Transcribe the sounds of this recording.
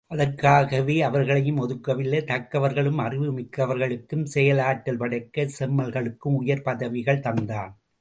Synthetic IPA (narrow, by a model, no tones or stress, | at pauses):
ʔɐðɐɾkːaːɣɐʋeːɐʋɐɾɣɐɭɐjɯmɔðɯkːɐʋɪlːɐt̪ɐkːɐʋɐɾɣɐɭɯmɐrɪʋɯmɪkːɐʋɐɾɣɐɭɯkːɯmsɛjɐlaːʈːɐlpɐɽɐɪkːɐsɛmːɐlɣɐɭɯkːɯmʊjɐɾpɐðɐʋɪɣɐɭt̪ɐnd̪aːn